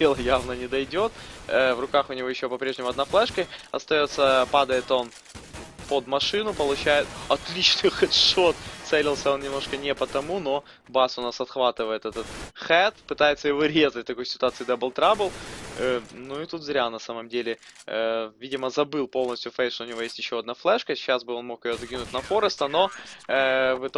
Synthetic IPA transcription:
dʲelˠəjavnənʲɪd̪ɐjdʲo̞t̪əvrʊkaxʊnʲɪvojɪɕːopɐpɾʲeʐnʲɪmʊɐd̪naflˠɛʂkəɐst̪ɐjo̞t̪sːəpad̪əjɪt̪o̞n | pod̪mɐʂɨnʊpəlˠʊt͡ɕæjɪt̪ɐt̪lʲit͡ɕnɨjxɛt̪ʂo̞t̪t̪sɛlʲɪlˠsʲəo̞nnʲɪmnoʂkənʲɪpət̪ɐmuno̞ | basʊnasɐt̪xvat̪ɨvəjɪt̪ɛt̪ət̪xɛt̪pɨt̪ajɪt̪səjɪvoɾʲe̞zət̚ʲt̪ɐkojsʲɪt̪ʊat̪sɨɪd̪ɛbəlˠt̪ɾabəlˠənuɪt̪ut̪zɾʲanɐsaməmdʲelʲɪəvʲidʲɪməzɐbɨlˠpo̞lˠnəsʲt̪ʲjʊfɛj̪ʂt̪oʊnʲɪvo̞jesʲtʲjɪɕːo̞ɐd̪naflˠɛʂkəɕːazbɨo̞nmo̞kɨjozɡʲinut̚ʲnɐfo̞ɾəst̪əno̞əvɨt̪

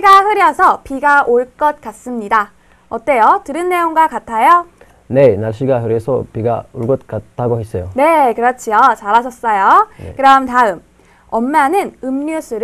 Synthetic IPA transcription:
iɡaɸɯɾjʌsʰʌpiɡaʔoɭk͈ʌt̚k͈as͈ɯmɲida | ʌt͈e̞jotɯɾɯnːe̞oŋɡwakatʰajo | ne̞naɭɕ͈iɡaɦɯɾjʌsʰʌpiɡa̰oɭk͈ʌt̚k͈atʰaɡoɦes͈ʌjone̞kɯɾʌt͡ɕʰijot͡ɕaɾasʰʌs͈ʌjokɯɾʌmtaɯm | ʌmːanɯnɯmɲusʰɯɾɯ

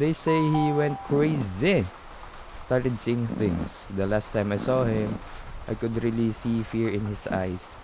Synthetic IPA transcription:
d̪ejsejhiwɛ̃nt̪̚kʰɹeɪzi | st̪aɹt̪ɛd̪̚siɪ̃ŋθɪ̃ŋsd̪ɐlast̪ːãj̃majsɔhɪ̃mʔajkʊd̪ɹilisifiɹɪ̃nhɪsa̰js

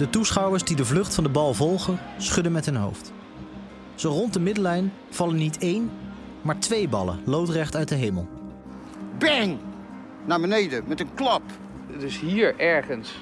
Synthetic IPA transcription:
d̥ətusχɑwəɹzdidəvlɵχtfɑndəbɑlˠvɔlˠχənsχɵdənmɛtɦɵnɦo̰wft | z̥ərɔnt̚dəmɪdəlɛjn | v̥ɑlənːitejn | maːɹtʋejbɑ̰lə̰lowtrɛχtœɥt̚dəɦejməlˠ | bɛŋ | naːɹbənejdəmɛtənklɑp | tɪsɦiːɹɛɹχəns

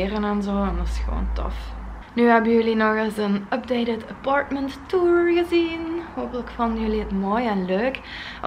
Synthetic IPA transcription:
rənɛnzoːɛndɑ̥sxəʋo̰ːntɔ̰f | nyɦɛbənjɵlinɔɣɪsənəp̚deːtətəpɑɹtməntː | uːɹɣəzinhoːpələkfʊndənjɵliətmoːjɛnløːk

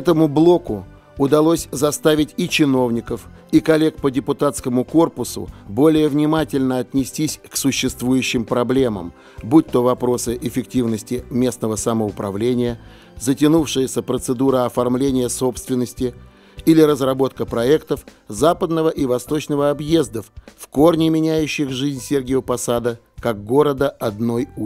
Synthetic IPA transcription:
ɛt̪əmʊblˠo̞kʊ | ʊd̪ɐlˠo̞sʲzɐst̪avʲɪtʲit͡ɕɪno̞vnʲɪkəf | ikɐlʲe̞kpədʲɪpʊt̪at̪skəmʊko̞rpʊsʊ̰bo̞lʲɪjəvnʲɪmatʲɪlʲnəɐt̪ʲnʲɪsʲtʲisʲksʊɕːɪst̪vujʉɕːɪmpɾɐblʲe̞mə̰m | but̚ʲt̪ːovɐpɾo̞sɨʔɪfʲːɪk̚tʲivnəsʲtʲɪmʲe̞snəvəsəməʊpɾɐ̰vlʲenʲɪjə | zətʲɪnufʂɨjəsʲəpɾət̪sɨd̪uɾəɐfɐrmlʲenʲɪjəso̞pst̪vʲɪnːəsʲtʲɪ | ilʲɪɾəzrɐbo̞t̪kəpɾɐɛkt̪əf | zapəd̪nəvəʔivɐst̪o̞t͡ɕnəvəɐbje̞zd̪əffko̞rnʲɪmʲɪnʲæjʉɕːɪxʐɨzʲnʲsʲerɡʲɪjʊpɐsad̪ə | kak̚ɡo̞ɾəd̪əʔɐd̪no̞ju

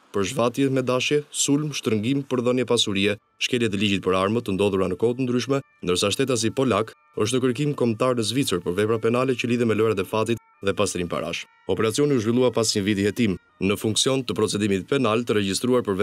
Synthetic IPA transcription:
pəɾʒvat̪jɛmɛd̪aʃjɛsulmʃt̪ɾəŋɡimpəɾðɔnjɛpasuɾiɛ | ʃkɛljɛt̪ɛlid͡ʑit̪̚pəɾaɾmət̪ːənd̪ɔðuɾanəkɔt̪ənd̪ɾyʃ̬mɛ | nd̪əɾsaʃt̪ɛt̪as̬ipɔlak | əʃ̬t̪nəkəɾk̬imkɔmt̪aɾnəzvit͡suɾpəɾvɛpɾapɛnalɛcəliðɛmɛlɔɾat̪ɛfat̪it̪̚ | ðɛpast̪ɾimpa̰ɾa̰ʃ | ɔpɛɾat͡siɔniuʒvilˠuapasɲəvit̪ihɛt̪im | nəfuŋksijɔnt̪əpɾɔt͡sɛd̪imit̪̚pɛnalt̪əɾɛɟist̪ɾuaɾpəɾv

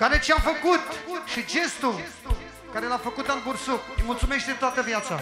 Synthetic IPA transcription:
kanet͡ʃʰijamfəkut̪ʃid͡ʒest̪u | kaɾelafəkut̪anbuɾsukmult͡ssʰumɛʃt̪et̪wat̪əvjat͡sʰa

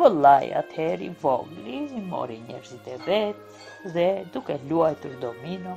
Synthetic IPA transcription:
bəlˠaja̰t̪hɛɾivɔ̰ɡliːmɔ̰ɾiɲɛ̰ɾzit̪ɛvɛt̪ | ðɛd̪ukɛluajt̪uɾd̪ɔmina

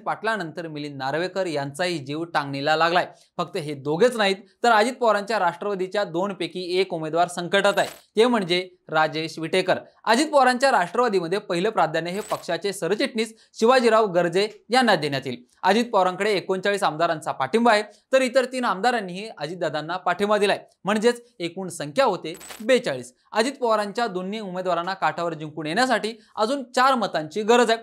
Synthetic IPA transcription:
paʈlanənt̪əɾmiliːnnːaɾʋekəɾjant͡saɦid͡ʑiːʋʈãŋɡɳilalaɡlaj | fək̚t̪əɦed̪oɡet͡snaɦiːt̪ːəɾad͡ʑiːt̪̚pɔɦɾaɲt͡ɕjaɾaʂʈɾəʋad̪it͡ɕjad̪onpekiːekumed̪ʋaɾsəŋkəʈət̪ajt̪em̤əɳd͡zeɾad͡ʑeɕʋiʈekəɾ | ad͡ʑiːt̪̚pɔɾaɲt͡ɕjaɾaʂʈɾəʋad̪iməd̪ʱːjepəɦiləpɾad̪ʱjaneɦepəkʂat͡sesəɾt͡ɕiʈniːs | ɕiʋad͡ʑiɾaʋɡəɾd͡zejanːad̪eɳjat̪iːl | əd͡ʑiːt̪̚pɔʋɾaŋkəɽeːkont͡saɭiːsamd̪aɾãnt͡sapaʈʰimbaɦet̪əɾit̪əɾt̪iːnamd̪aɾanːiɦiːəd͡ʑiːt̪̚d̪ad̪anːapaʈʰimbad̪ilae | m̤əɳd͡ʑet͡sekuːɳsəŋkʰjaɦot̪ebet͡saɭiːs | əd͡ʑiːt̪̚pɔɾaɲt͡ɕjad̪onːiumed̪ʋaɾanːakaʈʰaʋəɾd͡ʑiŋkuːɳjeɳjasaʈiːəd͡zuːnt͡ɕaɾmət̪aɲt͡ɕiːɡəɾəd͡zaj

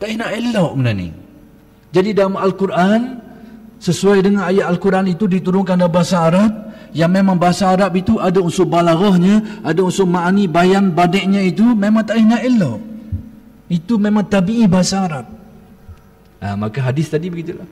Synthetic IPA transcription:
t̪aʔihnaʔelɔʔmənanḭ | d͡ʒadidalamalkuɾan | səsuajdəŋanajaʔalkuɾʔanit̪udit̪uɾʊŋkandaabaɦasaːɾat̪̚ | jaŋmemãŋbaɦasaːɾapit̪uʔadaunt̪ʊʔ̚balaɾɔhɲaadaunt̪ʊʔ̚maʔanibajanbadɛʔɲãit̪umemaŋt̪aʔihnaʔelɔʔ | it̪umemãŋt̪abiʔibaɦasaːɾap̚ | a̰makaɦadɪst̪adibəɡit̪ulah

